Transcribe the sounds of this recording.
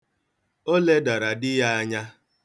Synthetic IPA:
o˦le˦da˨ɾa˨dɪ˦ja˦a˦ɲa˦

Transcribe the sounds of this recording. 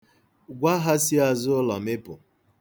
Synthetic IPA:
ɡʷa˦ɦa˦si˦a˨zʊ˦lɔ˨mɪ˦pʊ˨

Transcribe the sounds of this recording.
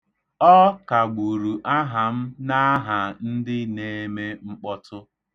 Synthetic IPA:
ɔ˦ka˨ɡ͡bu˨ɾu˨ʔa˦ɦa˨m̩˦na˦ɦa˨n̩˦dɪ˦ne˦me˦ŋ͡m̩˦k͡pɔ˦tʊ˦

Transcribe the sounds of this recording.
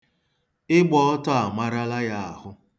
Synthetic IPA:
ɪ˦ɡ͡bɔ˦ɔ˦tɔ˦a˨ma˦ɾa˦la˦ja˦a˨ɦʊ˦

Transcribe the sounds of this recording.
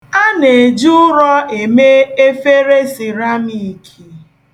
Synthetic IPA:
a˦ne˨d͡ʒʊ˦ʊ˦ɾɔ˦ʔe˨me˦e˦fe˦ɾe˦si˨ɾa˦mi˨kʰi˨

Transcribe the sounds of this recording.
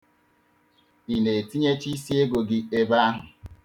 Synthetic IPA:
i˨ne˨e˨ti˦ɲe˦t͡ʃi˦si˦e˦ɡo˨ɡɪ˦e˦ba˦a˦ɦʊ˨

